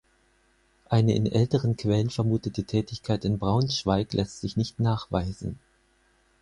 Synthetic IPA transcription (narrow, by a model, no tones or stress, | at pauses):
ʔaɪnəʔɪ̰nʔɛltəʁənkv̥ɛlənfɛɐmuːtətətʰɛːtɪçkʰaɪtɪnbʁaʊnʃv̥aɪklʔɛstz̥ɪçnɪçtnaːχv̥a̰ɪzn̩